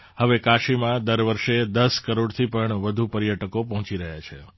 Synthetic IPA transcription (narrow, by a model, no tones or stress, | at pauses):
həʋekaʃimãd̪əɾʋəɾʃed̪əskəɾoɽt̪ʰipəɳʋəd̪ʱupəɾjəʈəkopəɦɔ̃t͡ʃiɾəɦjat͡ʃʰe